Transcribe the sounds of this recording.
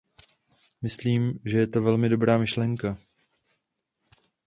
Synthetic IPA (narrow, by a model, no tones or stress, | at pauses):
mɪsliːmʒɛjɛt̪o̞vɛlmɪdo̞bɾaːmɪʃlɛŋka